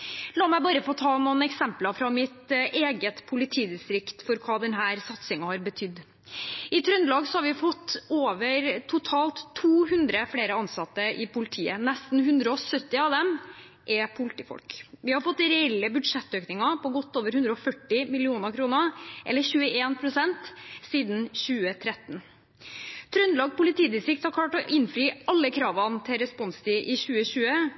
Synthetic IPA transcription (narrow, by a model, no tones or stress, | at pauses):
lɑːmæɪbɑːɾəfoːt̪ʰɑːnuːənɛksɛmplɑfɾɑmɪt̪ʔeːɡət̪pʰʊlɪt̪ʰiːd̪ɪst̪ɾɪkt̪fɔɾkʰɑːd̪ɛnɦæːɾsɑt̪sɪŋɑhɑɾbət̪ʰʏd̪ː | ɪt̪ʰɾœnlɑːɡsɔhɑɾʋɪfɔt̪ːoːʋəɾt̪ʰʊt̪ʰɑːlt̪ʰːuːhʉnd̪ɾəfɽeːɾəɑnsɑt̪ːəʔɪpʰʊlɪt̪ʰiːə̰nɛst̪n̩hʉnd̪ɾəɔsœt̪ːɪɑʋd̪ɛm | ʔɛpʰʊlɪt̪iːfɔ̰lkʋɪhɑɾfɔt̪ːɾɛɛlːəbʉd̪ʂɛt̪ːøːknɪŋɑpʰɔɡɔt̪ːoːʋəɾhʉnd̪ɾəɔfœʈːɪmɪlɪuːnəɾkʰɾuːnəʔɛ̰lːəçʉːəeːnpʰɾʊsɛnt̪siːd̪n̩çʉːət̪ʰɾɛt̪n | t̪ʰɾœnlɑːɡpʰʊlɪt̪iːd̪ɪsɪk̚t̪hɑɾkʰlɑːʈɔɪnfɾiːɑlːəkʰɾɑːʋɑnt̪ʰɪɾɛspɔnst̪ʰiːʔɪçʉːəɕʉːə